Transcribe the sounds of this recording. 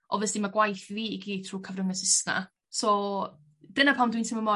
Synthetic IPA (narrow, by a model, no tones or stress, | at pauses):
ʔɔ̰vɛsd̥imaɡwajθviːiɡiːtʰruːkʰəvnəŋəsɪsna̰ | sɔ | d̥ənapʰawmdwintʰiməmɔ